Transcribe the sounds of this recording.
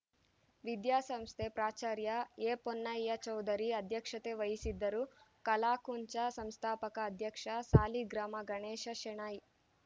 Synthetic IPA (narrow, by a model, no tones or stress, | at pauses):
ʋid̪jaːsɐmst̪ʰepɾaːt͡ʃaːɾjɐeːponːɐjjɐt͡ʃɐwd̪ɐɾiɐd̪ʱjɐkʂɐt̪eʋɐjisid̪ːɐɾukɐlaːkuɲt͡ʃɐsɐmst̪ʰaːpɐkɐːd̪ʱjɐkʂɐsaːliɡɾaːmɐɡɐɳeːʃɐʃeɳaːji